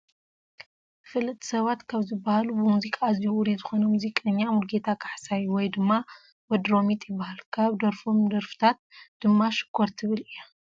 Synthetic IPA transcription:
fɨlːɨt̪ʰːi̥sɐβat̪kʰaβzɨbːahalubɨmuzikʼazjwuɾizɨxo̞nɐmuzikʼɐɲːamulɡe̞t̪ʰakʰaħsajwɔjd̪ɨmːa | wɐd̪ɾo̞mit̪ʼjɪbːahalkʰaβd̪ɐɾfo̞md̪ɐɾfɨ̥t̪ʰat̪̚d̪̥ɨmːaʃɨ̥kʰːoɾt̪ʰɨβɨlijːa

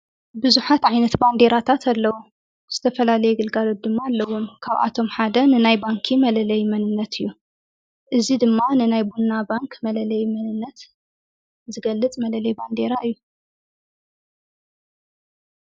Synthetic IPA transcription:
bɨzuħat̪ʕajnɐt̪band̪e̞ɾat̪ʰat̪ʰalːɐwu | z̥ɨt̪ʰɐfɐlalɐjɛɡɨlɡalot̪̚d̪ɨmːaːlːɐwʊnkʰaβʔa̰t̪ʰo̞mħad̪ɐnɨnajbaŋkʰimɐlɐlɐjmɐnɨnːɐt̪ʰɨjːu | ʔɨzid̪ɨmːanɨnajbunːabaŋkʰmɐlɐlɐjmɐnɨnːɐt̪ | zɨɡɐlːɨt͡sʼmɐlɐlɐjband̪e̞ɾaɨjːu

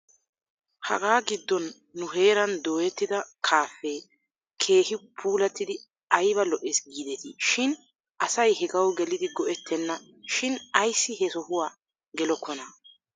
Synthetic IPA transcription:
hɐ̰ɡaːɡɪd̪ːɔnː | ʊɦe̞ːɾɐnd̪o̞ːjɛt̪ːɪd̪ɐkʰaːfːe | kʰe̞ːhɪpʰuːlɐt̪ːɪd̪ɪ | ɐjbɐlɔʔesɡiːd̪ɛt̪iʃɪn | ʔɐsɐjhɛɡɐwɡɛlɪd̪ɪɡɔʔɛt̪ʰːɛnːɐ | ʃɪnɐjsːɪhɛsɔhʊwaː | ɡɛlɔkːɔnɐ

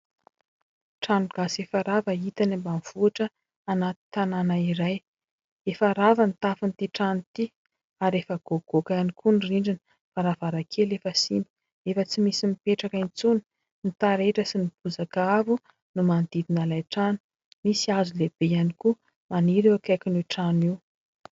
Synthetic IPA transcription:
ʈ͡ʂanuɡ̥asefaɾavəit̪anambanv̥uaʈ͡ʂə | anat̪i̥t̪ananaiɾaj | efaɾavanit̪afint̪iʈ͡ʂanit̪i | aɾefəɡ̥oɡ̥okanikʰuniriɳɖ͡ʐinə̥ | faɾavaɾakʰelefəsimbu̥ | efət͡simisimipeʈ͡ʂakaint͡suni̥ | nit̪aɾeʈ͡ʂəsinib̥uzakaavu | numand̪̥id̪inalajʈ͡ʂanu̥ | misiazuleb̥ejaniku | maniɾiakajkinuʈ͡ʂaniw

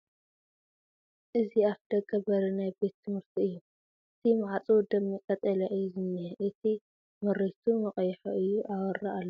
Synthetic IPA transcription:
ʔɨziafd̪̥ɐɡɐbɐɾɐnajbe̞t̪ʰːɨmhɨɾt̪ʰiɨjːu | ɨt̪ʰimaʕat͡sʼud̪ɐmːikʼɐt͡s̪ʼɐlɐʔɨjːuzɨmɨheʔɨt̪ʰi | mɨɾit̪ʰumɨqʼɐjħo̰ʔɨjːuʔawɐɾːɐʔalːɐ

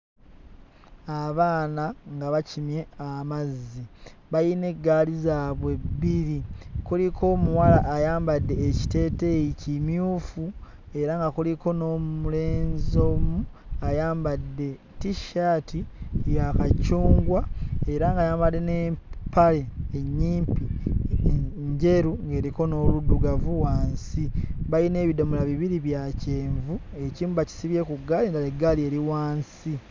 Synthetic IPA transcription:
aβaːnaŋɡaβacimje̞amazːiβajine̞ɡːaːlizaβwe̞bːiɾikulikʰo̞ːmuwalaʔːjaːmbadːe̞ːci̥te̞ːte̞jicimjuːfu | e̞ɾaŋɡakuliko̞no̞muleːnzomuajaːmbadːe̞ | tiʃatijakacuːŋɡwae̞ɾaŋɡajaːmbadːe̞neːmpale̞ːɲːiːmpi | ɲɟe̞ɾuŋɡe̞ːɾiko̞no̞ːluduɡavuwaːnsiβaine̞ːβido̞mulaβiβiɾiβjace̞ːɱvue̞ciːmbuβaci̥siβje̞kuɡːalindaleɡalie̞ɾiwaːnsi

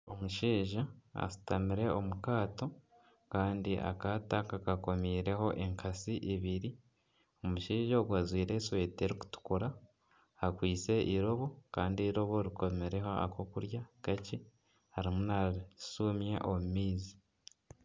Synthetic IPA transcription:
o̞muʃiːʒaa̰su̥tamiɾe̞o̞mukaːto̞ | kaːndiʔa̰kaːtakakako̞miːɾe̞ho̞ʔe̞ŋkʰasiʔeβiɾi | o̞muʃiːʒaoɡwazwiːɾe̞ːswe̞ːte̞ɾiku̥tu̥kuɾaː | kwiːt͡se̞ʔiɾo̞βo̞kaːndiɾo̞βo̞ɾiko̞meɾe̞ɦo̞a̰ko̞kuɾjakaci | haɾimunasumje̞ʔomumiːzi

